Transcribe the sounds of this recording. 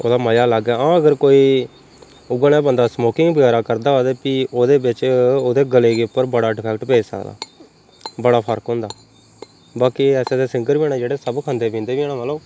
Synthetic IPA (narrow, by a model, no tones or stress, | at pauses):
o̰ːd̪aːməjaːləɡɛːãːəɡəɾkoːiː | ʊɡəneːbənd̪aːsmoːkɪ̃ŋɡbəɡɛːɾaːkəɾd̪aːoːd̪eːpiːoːd̪eːbɪt͡ʃoːd̪eːɡəleːɡeːʊpːəɾbəɽaːɖɪpʰɛːkʈpeːd͡ʒsə̰kd̪a̰ː | bəɽaːpʰəɾkɦõːnd̪aː | baːkiɛːseːd̪eːsɪ̃ŋɡəɾbĩːɳãːd͡ʒeːɽeːsəbkʰãːnd̪eːpĩːnd̪eːʋiːnaːmaloː